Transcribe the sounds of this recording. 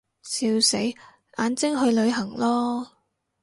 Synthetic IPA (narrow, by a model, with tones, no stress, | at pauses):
siː˧wse˨˥j | ʔaː˨˥nt͡sɪ˥ŋɦɵ˧ɥlɵ˨˧ɥɦɐ˨˩ŋlɔː˥